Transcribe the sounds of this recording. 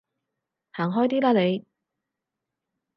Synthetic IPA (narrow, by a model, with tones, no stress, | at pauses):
haː˨˩ŋɦɔː˥jt̪iː˥laː˧le˨˧j